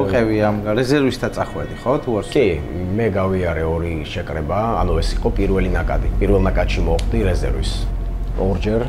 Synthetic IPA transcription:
ɔqʼɛviamɾɛzɛɾvist̪ʰat̪sʼaχwɛd̪iχɔt̪ʰuakʼimɛɡaviaɾɛɔɾiʃɛkʼɾɛba̰ːnuɛsiqʼɔpʼiɾvɛlinakʼa̰d̪ipʼiɾvɛlˠnakʼat̪ʃimɔχd̪iɾɛzɛ̰ɾvḭs | ɔɾd͡ʒɛɾ

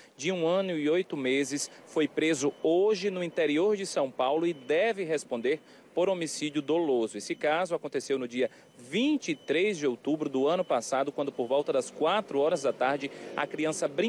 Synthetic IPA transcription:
d͡ʒɪũɐ̃nʊɪojt̪ʊmezɪsfojpɾezʊoʒɪnʊĩnt̪eɾioɾd͡ʒɪsɐ̃w̃pawlʊɪd̪ɛvɪɦespõnd̪eɾ | poɾomisid͡ʒʊd̪olozʊesɪkazʊakõnt̪esewnʊd͡ʒiɐ | vĩt͡ʃit̪ɾezd͡ʒɪowt̪ubɾʊd̪ʊɐ̃nʊpasad̪ʊkwɐ̃nd̪ʊpoɾvɔwt̪ɐd̪ɐskwat̪ɾʊɔɾɐzd̪ɐt̪aɾd͡ʒɪɐ̰kɾiɐ̃sɐbɾĩ

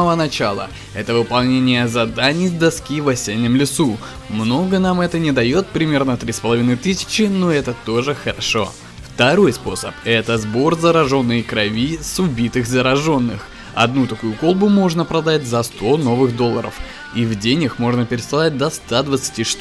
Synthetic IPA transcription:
əvənɐt͡ɕalˠə̰ | ɛt̪əvɨpɐlˠnʲenʲɪjəzɐd̪anʲɪjd̪ɐskʲivɐsʲenʲːɪmlʲɪsu | mno̞ɡənamɛt̪ənʲɪd̪ɐjo̞t̪̚pɾʲɪmʲe̞rnət̪ɾʲispəlˠɐvʲinɨjt̪ɨsʲɪ̥t͡ɕɪno̞ɛt̪ət̪o̞ʐɨxəɾɐʂo̞ | ft̪ɐɾo̞jspo̞səpɛt̪əzbo̞rzəɾɐʐo̞nːɨjkɾɐvʲisʊbʲit̪ɨxzəɾɐʐo̞nːɨx | ɐ̰d̪nut̪ɐkujʊko̞lˠbʊmo̞ʐnəpɾɐd̪atʲzɐst̪o̞no̞vɨxd̪o̞lˠːəɾə̰f | ivdʲenʲɪxmo̞ʐnəpʲɪɾʲɪsʲɪlˠat̚ʲd̪ɐst̪ad̪vət̪sɨ̥tʲiʂt̪u

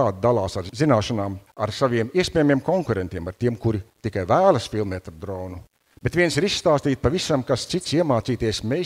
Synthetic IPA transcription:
aːd̪̚d̪alˠaːsaɾzinaːʃanaːmaɾsaʋiɛmiɛsʲpʲɛːjamiɛmkɔŋkuɾent̪ʲiɛmaɾt̪iɛmkuɾit̪ikajvæːlˠɐsfilˠmɛt̪aɾd̪ɾɔːnu | b̥et̪vʲiɛnsiɾisst̪aːst̪iːt̪̚pavisamkast̪sit̪siɛmaːt̪siːt̪iɛsme

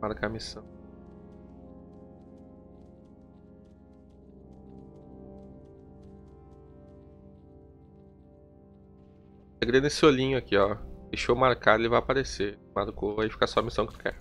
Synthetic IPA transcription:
maɾkamisɐ̃w̃ | eɡɾẽnesɪolĩɲʊakiɔd̪ejʃomaɾkad̪elɪvajapaɾesemaɾkoɐifi̥kasɔɐmisɐ̃w̃kɪt̪ʊ̥kɛ̰ɾ

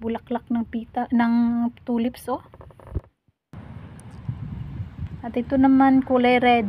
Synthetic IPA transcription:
bʊlɐklak̚nɐŋpiːt̪anɐŋt̪uːlɪpso | ʔɐt̪ɪt̪onɐmankʊlɛjɾɛːd̪

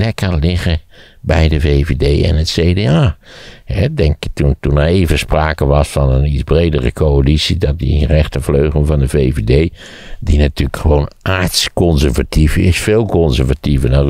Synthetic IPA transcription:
lɛkəlɪɣə | bɛjdəveːvedeːɛ̰nətseːdeaːhɛdɛŋktuntunaeːvəspraːkəʋɑsfɔnənizbreːdərə̰kʰoalisidɔt̚dirɛχtəvløːχləvɑndəveːvedeː | dinatyːləkχəʋoːnʔaːɹtskɔnzəɹvatifɪ̰sfeːlˠkɔnzəɹvativədɔn

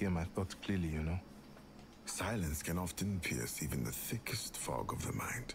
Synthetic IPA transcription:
emaɪt̚ɔtkʰl̥ɪlijɨnoʊ | saɪlˠə̃nskʰɨ̃nɑftɨ̃npʰɪ̰ɹsivɨ̃nðɨθɪkʰɨstfɑ̰ɡʌvðəmã̰ɪ̃nd̥

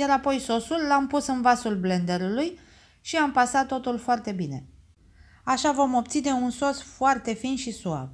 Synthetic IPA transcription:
jaɾapo̞jso̞sulːampusɨnvasulble̞nd̪e̞ɾuluj | ʃiampasat̪ːo̞t̪ulfoart̪e̞bine̞̰ | aʃavo̞mo̞p̚t̪sine̞unso̞sfoart̪e̞finʃisua̰b̚

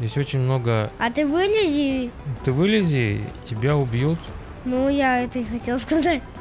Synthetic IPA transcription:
jesʲtʲot͡ɕɪnʲmnoɡəɐt̪ɨvɨlʲɪzʲit̪ɨvɨlʲɪzʲitʲɪbʲaʊbʲjut̪ | nujaɛt̪əɪxɐtʲelˠskɐzatʲ

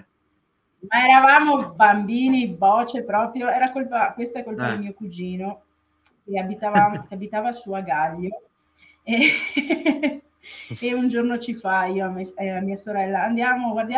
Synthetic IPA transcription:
maɛɾavaːmobambiːnibɔːt͡ʃepɾɔːpɾjoɛːɾakolpakwest̪aɛkːolpad̪ilmiːokud͡ʒiːno | keabit̪avamokeabit̪aːvasuaɡaʎːo | e | und͡ʒornot͡ʃifaiːoameamːiːasoɾɛlːaːnd̪jaːmoɡward̪ja

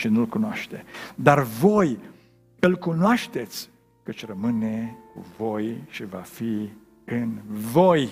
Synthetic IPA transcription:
ʃinulkunoaʃt̪ed̪arvo̞j | ɨlkunoaʃt̪e̞t̪sʲ | kət͡ʃʲrəmɨne̞kṵvo̞jʃivafi | ɨnvoj

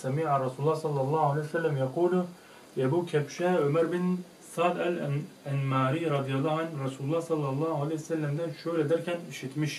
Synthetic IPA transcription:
sɛmiːʕaɾˤɑsulˠːɑhsɑlˠːɑlˠˤːɑːhalɛjsɛlːæmjɑquːl | ɛbukʲʰɛpʃɛʕømæɾbɪn | sɑːd̪æl | ænmaːɾiɾˤɑd̪ijɑlˠːɑːhanɾˤɑsuːlulˠːɑhsɑlˠːɑlˠˤːɑːalɛjsɛlːæmd̪ænʃøjlɛd̪æɾkʲʰɛniʃit̪miʃ

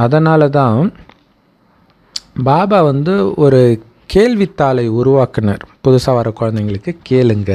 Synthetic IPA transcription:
ɐðɐnaːlɐt̪ãː | baːbaːʋɐnd̪ɯɔɾɯ | keːɭʋit̪ːaːlɐɪʊɾʊʋaːkɐnɐɾpʊðʊsaːʋaːɾɐkːɔɻɐnd̪ɐɪŋɡɐɭɯkːɯkeːlɯŋɡɐ

